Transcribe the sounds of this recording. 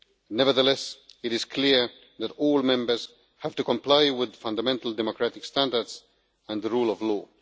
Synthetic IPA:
nɛvə˞ðəlɛsɪɾɪz̥kʰliɹ | ðætɔːlˠmɛ̃mbə˞z̥ | hæv̥tukɔ̃mplaɪwɪðfãndəmɛ̃ntəldɛmɔkɹætɪkstæ̃ndəɹds | æ̃nðəɹuːlɔvlɔː

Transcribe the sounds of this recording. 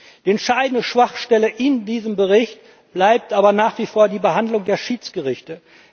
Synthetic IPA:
d̥iːɛntʃaɪdn̩dəʃv̥aχʃtɛləʔɪndiːzəmbəʁɪçt | b̥laɪp̚tʔaːbɐnaːχv̥iːfoːɐdiːbəɦandlʊŋdeːɐʃiːt͡sɡ̥əʁɪçtə

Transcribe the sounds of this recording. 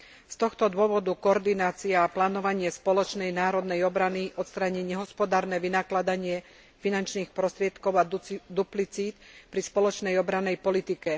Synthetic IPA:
st̪ɔxt̪ɔd̪ʊɔʋɔd̪ukɔɔɾd̪inaːt͡siaːplaːnɔʋaɲɪɛspɔlɔt͡ʃnɛjnaːɾɔd̪nɛjɔbɾaniʔɔt̪st̪ɾaɲiɲɛɦɔspɔd̪aːɾnɛʋinaklad̪aɲɪɛ | finant͡ʃniːxpɾɔst̪ɾɪɛt̪kɔʊad̪uplit͡siːt̪pɾispɔlɔt͡ʃnɛjɔbɾanːɛjpɔlit̪ikɛ

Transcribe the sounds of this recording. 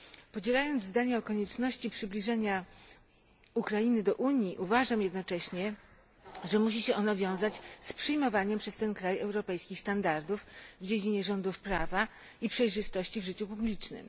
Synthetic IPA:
pɔd͡ʑɛlajɔnd̪zzd̪aɲɛɔkɔɲɛt͡ʂnɔɕt͡ɕipʂɘblʲiʐɛɲa | ukɾainɘd̪ɔʔuɲjiʔuvaʐamjɛd̪nɔt͡ʂɛɕɲɛ | ʐɛmuɕ̬iɕɛʔɔnavʲjɔ̃w̃zat͡ɕspʂɘjmɔvaɲɛmpʂɛst̪ɛnkɾajɛwɾɔpɛjskʲixst̪and̪aɾd̪ufvd͡ʑed͡ʑiɲɛʐɔnd̪ufpɾava | ipʂɛjʐɘst̪ɔɕt͡ɕivʐɘt͡ɕupublʲit͡ʂnɘ̰m

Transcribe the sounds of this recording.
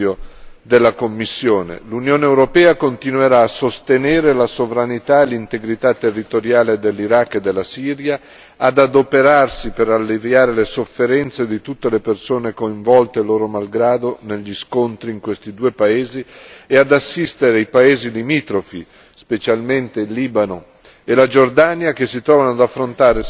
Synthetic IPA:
od̪elːakomːisːjoːnḛlunjoːneːwɾopɛːakont̪inueɾaːsost̪eneːɾelasovɾanit̪aelːint̪eɡɾit̪at̪ːerːit̪oɾjaːled̪elːiɾakːed̪ːelːasiːɾjaː | d̪ad̪opeɾarsipeɾalːevjaːɾelesofːeɾɛnt̪sed̪it̪ut̪ːelepersoːnekoiɱvɔlt̪eloːɾomalɡɾaːd̪oneʎːiskont̪ɾiːŋkwest̪id̪uːepaeːziead̪asːist̪eɾeajpaeːzilimit̪ɾofi | spet͡ʃalment̪eilːiːbano | elad͡ʒord̪anjakesːit̪ɾɔːvanoad̪afːɾont̪aːɾe

